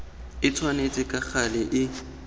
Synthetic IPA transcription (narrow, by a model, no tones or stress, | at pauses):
ɪt͡sʰwanet͡sʼɪkʼak͡xalɪʔɪ